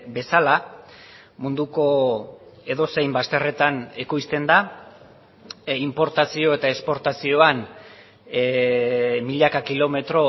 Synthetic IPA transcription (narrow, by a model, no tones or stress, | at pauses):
be̞sala | mund̪uko̞ | e̞ðo̞se̞jmbast̪ere̞t̪anekojst̪e̞nd̪a | impo̞ɾt̪asio̞e̞t̪ae̞spo̞ɾt̪asio̞an | miʎakakilo̞me̞t̪ɾo̞